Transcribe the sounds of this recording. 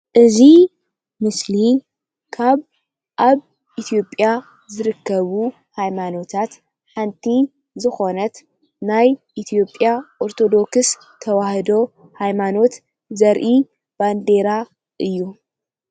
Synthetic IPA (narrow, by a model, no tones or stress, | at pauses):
ʔɨzi | mɨsli | kʰaβ | ʔaβ | ʔit̪ʰijo̞pʼja | zɨɾɨkʰːɐβu | hajmano̞t̪ʰat̪ | ħant̪ʰi | zɨxo̞nɐt̪ | najʔit̪ʰijo̞pʼjaʔoɾt̪ʰo̞d̪o̞ks | t̪ʰɐwahɨd̪o̞ | hajmano̞t̪ | zɐɾʔi | b̥and̪e̞ɾa | ʔɨjːu